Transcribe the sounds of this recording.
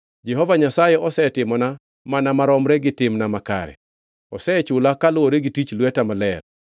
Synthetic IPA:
d͡ʒɛɦɔvaɲasajɛʔɔsɛtɪmɔna | manamaɾɔmɾɛɡɪtɪmnamaka̰ɾɛ̰ | ɔsɛt͡ʃʊlakalʊoɾeɡitit͡ʃlwɛtamalɛr

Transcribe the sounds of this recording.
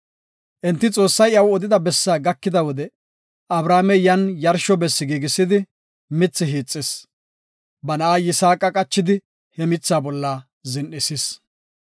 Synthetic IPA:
ʔɛnt̪ːɪt͡sʼo̞ːsːɐjɐwɔd̪ɪd̪ɐbɛsːaːɡɐkːɪd̪ɐwɔd̪ɛ | ɐbɾaːmɛjɐnjɐɾʃɔbɛsːɪɡiːɡɪsɪd̪ɪ | mɪt͡sːɪɦiːt͡sʼːɪs | bɐnɐaːjɪsaːkʼɐkʼɐt͡ʃːɪd̪ɪ | hɛmɪt͡sːaːbɔlːɐ | zɪnʔɪsɪs

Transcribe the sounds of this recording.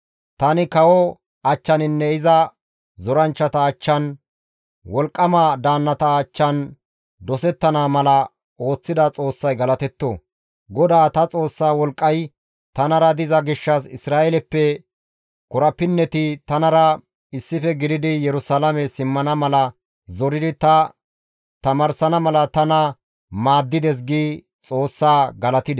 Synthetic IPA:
t̪ɐnɪkɐwɔ | ɐt͡ʃːɐnɪnːɛɪzɐ | zɔɾɐnt͡ʃːɐt̪ɐːt͡ʃːɐn | wɔlkʼːɐmaːd̪aːnːɐt̪ɐːt͡ʃːɐn | d̪ɔsɛt̪ːɐnaːmɐlɐ | o̞ːt͡sːɪd̪ɐt͡sʼo̞ːsːɐjɡɐlɐt̪ɛt̪ːo | ɡɔd̪aːt̪ɐt͡sʼo̞ːsːaːwɔlkʼːɐj | t̪ɐnɐɾɐd̪ɪzɐɡɪʃːɐsɪsɾaːʔɛlɛpːɛ | kɔɾɐpːɪnːɛt̪ɪt̪ɐnɐɾɐ | ɪsːɪfɛɡɪd̪ɪd̪ɪjɛɾʊsaːlɐmɛsɪmːɐnɐmɐlɐ | zɔɾɪd̪ɪt̪ɐ | t̪ɐmɐɾsɐnɐmɐlɐt̪ɐnɐ | maːd̪ːɪd̪ɛs̬ɡiː | t͡sʼo̞ːsːaːɡɐlɐt̪ɪd̪ɛ

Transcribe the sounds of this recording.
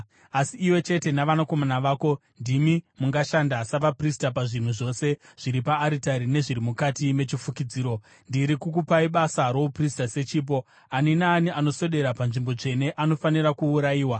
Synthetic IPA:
asiːwe̞t͡ʃe̞te̞naʋanako̞manaʋaːko̞ | ndimimuŋɡaʃandasaʋapristap̬aʐin̤uʐo̞se̞ʐ̥iɾipaːɾitaɾine̞ʐiɾimukatime̞t͡ʃifukid͡ziːɾo̞ | ndiɾikukupaiɓasaɾo̞upristase̞t͡ʃiːp̬o̞ | aninaːniʔano̞so̞ɗe̞ɾapanʐimbo̞d͡ʐe̞ne̞ʔano̞fanirakuːɾajiːwa

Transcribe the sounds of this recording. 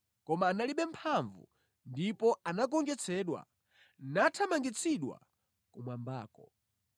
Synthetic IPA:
kɔmaːnaliɓɛm̩pʰaɱvṵ | ndipɔanak̬ɔŋɡɛt͡sʰɛːɗwa̰ | natʰamaŋɡit͡sʰiɗwa̰ | kumwambaːkɔ

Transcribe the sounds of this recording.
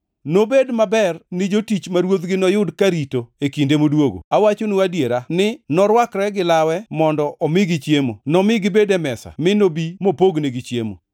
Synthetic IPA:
nobedmabɛrnɪd͡ʒotit͡ʃmaɾwot̪ɡɪnɔjʊdkaɾitoekindemodwoɡo̰awat͡ʃonuadjeɾanɪnɔɾwakɾɛɡɪlawɛmɔndɔʔɔmɪɡɪt͡ʃjemo̰nɔmɪɡɪbedɛmɛsa̰mɪnobimopoɡneɡɪt͡ʃjḛmo̰

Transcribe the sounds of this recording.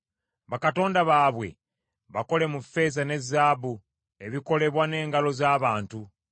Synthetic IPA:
βakato̞ːndaβaːβwe̞̰ | βako̞le̞mufːe̞zane̞zaːbu | e̞βiko̞le̞βwane̞ːŋɡalo̞zaːβaːntu

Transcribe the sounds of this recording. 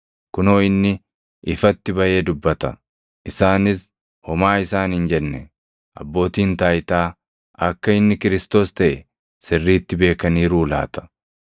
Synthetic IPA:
kʊnoːɪnːɪ | ɪfɐt̪ːɪbɐʔe̞ːd̪ʊbːɐt̪ɐ | ʔɪsaːnɪs | hɔmaːɪsaːnhɪnd͡ʒɛnːɛ | ʔɐ̰bːo̞ːt̪iːnt̪aːjt̪aː | ʔɐkːɐɪnːɪkɪɾɪst̪o̞ːst̪ɐʔɛ | sɪrːiːt̪ːɪbe̞ːkɐniːɾuːla̰ːt̪ʰɐ̥

